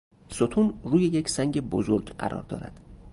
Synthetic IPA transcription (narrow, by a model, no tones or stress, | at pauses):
sot̪ʰunruːjejecʰsæŋɟebo̰zo̞ɾɡɢæ̰ɾʔɒ̰ːɾd̪ɒ̰ːɾæ̰d̪̥